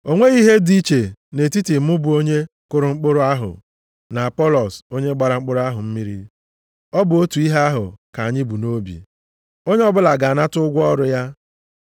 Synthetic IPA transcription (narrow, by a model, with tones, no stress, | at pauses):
o˦ŋʷe˦i˦ɦe˦di˦t͡ʃe˨ne˨ti˦ti˨m̩˦ʊ˦bʊ˨o˦ɲe˦ | kʊ˦ɾʊ˨ŋ͡m̩˦k͡pʊ˦ɾʊ˦a˦ɦʊ̰˨ | na˨a˨pɔ˦lɔ˨so˦ɲe˦ɡ͡ba˨ɾa˨ŋ͡m̩˦k͡pʊ˦ɾʊ˦a˦ɦʊ˨m̩˦mi˦ɾḭ˦ | ɔ˦bʊ˨o˦tu˨i˦ɦe˦a˦ɦʊ˨ka˨a˨ɲɪ˦bu˨no˦bḭ˨ | o˦ɲe˦ɔ˦bʊ˦la˨ɡa˨a˨na˦tʊ˦ɡʷɔ˦ɾʊ˨ja˦